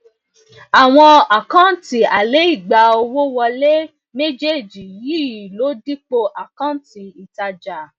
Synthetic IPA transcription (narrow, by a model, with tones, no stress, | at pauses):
a˨w̃ɔ̃˧a˨kã˦ti˨a˨le˨˦i˦˨ɡ͡ba˨o˧wo˦wɔ˧le˦ | me˦d͡ʒe˦˨d͡ʒi˨ji˦˨lo˨˦di˦k͡po˧ʔa˨kã˦ti˨i˨ta˧d͡ʒa˨